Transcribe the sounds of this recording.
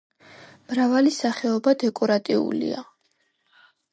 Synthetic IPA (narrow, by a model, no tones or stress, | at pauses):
mɾavalisaχɛɔbad̪ɛkʼɔɾat̪ʼiṵlḭa